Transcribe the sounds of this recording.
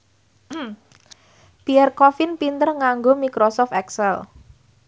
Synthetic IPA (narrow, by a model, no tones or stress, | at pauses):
piɛrkɔfɪnpint̪ərŋaŋɡomikɾɔsɔft̪ɛksɛl